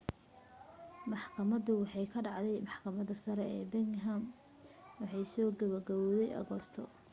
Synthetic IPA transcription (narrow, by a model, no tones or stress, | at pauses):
mɑħkʰɐmɐðʊwɑħɑjkʰɐɖɑʕd̪ɛjmɑħkʰɐmɐd̪ɐsɐɾɛɛːbɛŋɦɐm | wɑħɑjsɔːɡɐβɐrɡɐwɔðɛjʔɐ̰ɣɔːst̪ʰɔ̰